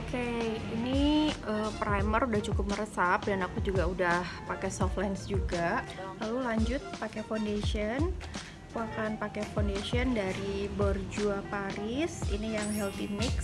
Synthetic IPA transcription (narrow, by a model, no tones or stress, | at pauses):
okeiniiəpɾajmərudaht͡ʃukʊp̚məɾəsap̚danakud͡ʒuɡaudahpakɛsɔflansd͡ʒuɡalalulaɲd͡ʒʊt̪̚pakɛfondeʃiən | kuakanpakɛfondesiəndaɾibɔrd͡ʒuapaɾɪsḭnijaŋɦɛlt̪imɪks